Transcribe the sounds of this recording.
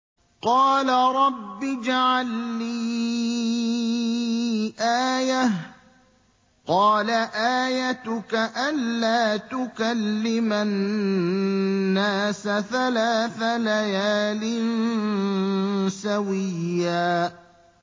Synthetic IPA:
qɑːlaɾˤɑbːɪd͡ʒaʕalːiː | ʔaːjah | qɑːlaʔaːjat̪ʊkaʔanːaːt̪ʊkalːɪman | aːsaθalaːθalajaːlɪn | sawɪjːaː

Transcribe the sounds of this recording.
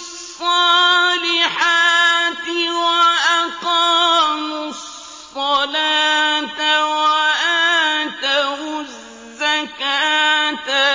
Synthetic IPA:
sˤːɑlɪħat̪ɪwaʔaqɑːmʊssˤ | ɑlaːt̪awaʔat̪awɪ | zːakat̪a

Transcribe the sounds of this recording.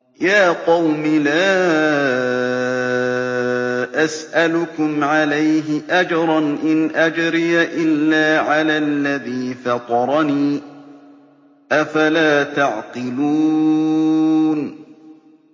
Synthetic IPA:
jaːqɑwmɪlaː | ʔasʔalʊkʊmʕalajɦɪʔad͡ʒɾˤɑnʔɪnʔad͡ʒɾɪjaʔɪlːaːʕalaːlːaðiːfɑt̪ˤɑɾˤɑniː | ʔafalaːt̪aʕqɨluː | n

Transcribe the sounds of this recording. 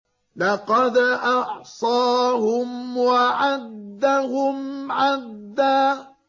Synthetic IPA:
lɑqɑd̪ʔɑʕsˤɑːɦʊmwaʕad̪ːaɦʊmʕad̪ːaː

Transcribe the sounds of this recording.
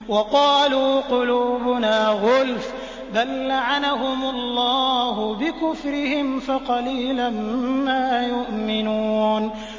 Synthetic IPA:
wɑqɑːluːqʊluːbʊnaːɣʊlf | d̪alːaʕanaɦʊmalˤːɑːɦʊbɪkʊfɾɪhɪmfaqɑliːlammaːjʊʔmɪnuːn

